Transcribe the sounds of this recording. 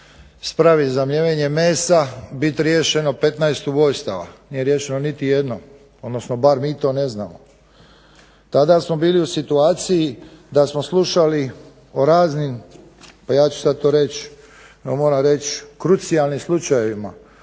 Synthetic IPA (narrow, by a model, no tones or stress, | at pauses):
spɾaʋizamʎeʋeɲe̞meːsabit̪ɾje̞ʃe̞no̞pe̞t̪naest̪uʋo̞jst̪a̰ʋa̰niːje̞ɾjeʃe̞nonit̪ije̞d̪nom | od̪no̞snobaɾmiːt̪o̞ːne̞zna̰ːmo̰ | t̪ad̪asmo̞biːliusit̪uaːt̪sijid̪asmo̞slˠuʃali | oɾaːznim | pajaːt͡ʃu̥sad̪̚t̪o̞ːɾe̞t͡ɕ | omo̞ːɾaɾe̞t͡ɕkɾut̪sijalnimslˠut͡ʃaje̞ʋima̰